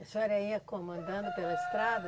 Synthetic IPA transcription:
soɛɾɐiɐkomɐ̃nd̪ɐ̃nd̪ʊpelɐest̪ɾad̪ɐ

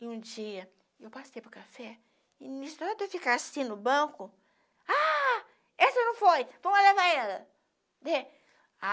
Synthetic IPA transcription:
ɪũd͡ʒiɐ | ewpasejpʊɾkafɛ | ɪnist̪ɔɾɐd̪ewfikaasĩnʊbɐ̃kʊ | a | ɛsɐnɐ̃w̃fojvɐ̃mʊzlevaɛlɐ | d̪e | a

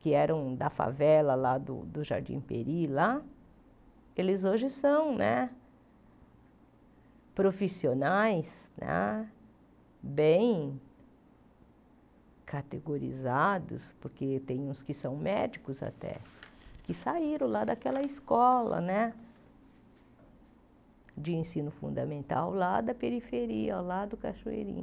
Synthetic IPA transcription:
kɪɛɾɐ̃w̃d̪ɐfa̰vɛlɐlad̪ʊ̰d̪ʊʒa̰ɾd͡ʒḭ̃peɾila | elɪzoʒɪsɐ̃w̃nɛ̰ | pɾofisionajsnɛ̰ | bẽj̃ | kʰat̪eɡoɾḭzad̪ʊ̰spoɾket̪ẽj̃ũskɪsɐ̃w̃mɛd͡ʒikʊza̰t̪ɛ̰kɪsaiɾɐ̃w̃lad̪akɛlɐiskɔlɐ̰nɛ | d͡ʒɪẽsĩnʊfṵ̃nd̪ɐmẽnt̪a̰wlad̪ɐpeɾifeɾiɐlad̪ʊkaʃoḛɾḭ̃

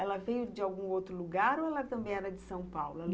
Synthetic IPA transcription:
ɛlɐvejʊd͡ʒɪawɡũowt̪ɾʊluɡaɾoɛlɐt̪ɐ̃mbẽj̃ɛɾɐd͡ʒɪsɐ̃w̃pawlʊɛl

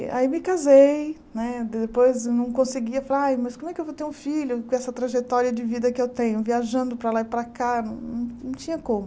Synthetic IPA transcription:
a̰imɪkazej | nɛd̪ɪd̪epojznɐ̃w̃kõsɪɡiɐfalaɾajmɐskõmʊɛkɪewvowt̪eɾũfiʎʊkõɛsɐt̪ɾaʒet̪ɔɾiɐd͡ʒɪvid̪ɐkɪewt̪ẽɲʊviaʒɐ̃nd̪ʊpɾɐlaipɾɐkanɐ̃w̃nɐ̃w̃nɐ̃w̃t͡ʃĩɲɐkõmʊ

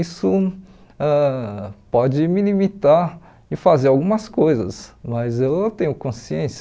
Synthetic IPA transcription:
isʊ | ɛpɔd͡ʒɪmilimit̪aɾ | ɪfazeɾawɡũmɐskojzɐ̰smɐzewt̪ẽjɲʊkõsiẽsɐ

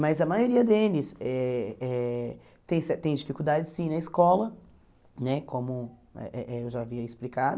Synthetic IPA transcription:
mɐzɐmajoɾiɐd̪elɪsɛɛ | t̪ẽj̃sɛt̪ẽj̃d͡ʒifikuwd̪ad͡ʒɪsĩnɐiskɔlɐ | nɛkʰõmʊɛ̰ʔɛʔɛewʒaːviɐisplikad̪ʊ

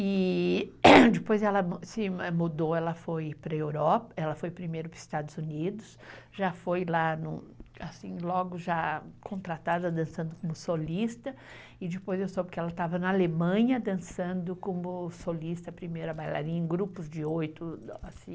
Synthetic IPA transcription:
ɪ | d͡ʒ̪ɪpojzɛlɐmsɪɛmud̪oɛlɐfojpɾɐewɾɔpɐɛlɐfojpɾimejɾʊpɾɐzist̪ad̪ʊzunid̪ʊs | ʒ̥afojlanũasĩlɔɡʊʒakʰõnt̪ɾat̪ad̪ɐd̪ɐ̃sɐ̃nd̪ʊkõmʊsolist̪ɐ | ɪd͡ʒɪpojzewsobɪkɪɛlɐt̪avɐnɐalemɐ̃ɲɐd̪ɐ̃sɐ̃nd̪ʊkõmʊsolist̪ɐpɾimejɾɐbajla̰ɾĩɲẽɡɾupʊzd͡ʒɪojt̪ʊasĩ

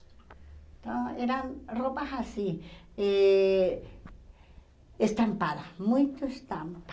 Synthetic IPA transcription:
t̪oeɾanrobahasie | est̪ampaðamujt̪oest̪amp

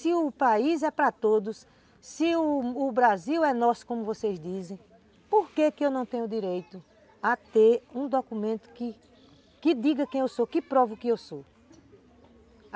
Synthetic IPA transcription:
sɪʊpaizɛpɾɐt̪od̪ʊs | sɪːbɾaziwɛnɔsʊ̥kõmʊvosejzd̪izẽj̃ | poɾkekɪewnɐ̃w̃t̪ẽɲʊd̪iɾejt̪ʊ | at̪eɾũd̪okumẽnt̪ʊ̥kɪ | kɪd̪iɡɐkẽj̃ewsokɪpɾɔvɐʊkɪewso

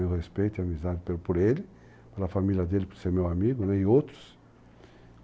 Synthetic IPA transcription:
ewʁespejt̪iamizad̪ɪpeɾpoɾelɪ | peɾlafamiljɐd̪elɪpoɾseɾmewamiɡʊnɛiowt̪ɾʊ̥s

